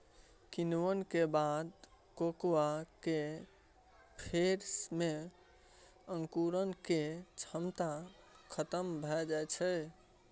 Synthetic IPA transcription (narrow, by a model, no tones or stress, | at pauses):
kinwənkebad̪ | kokwake | pʰeɾsme | ə̃ŋkuɾənket͡ʃʰəmt̪a | kʰət̪əmbʱɔed͡ʒajt͡ʃʰɛ